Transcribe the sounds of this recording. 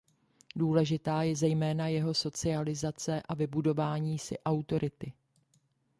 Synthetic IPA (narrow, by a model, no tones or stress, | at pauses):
duːlɛʒɪt̪aːjɛzɛjmɛːnajɛɦo̞so̞t͡sɪalɪzat͡sɛʔavɪbudo̞vaːɲiːsɪ̰ʔawt̪o̞ɾɪt̪ɪ